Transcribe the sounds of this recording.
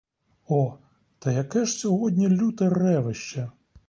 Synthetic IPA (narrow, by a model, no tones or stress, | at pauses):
ɔ | t̪ɐjɐkɛʃsʲɔɦɔd̪ʲnʲilʲut̪ɪrɛʋɪʃt͡ʃɐ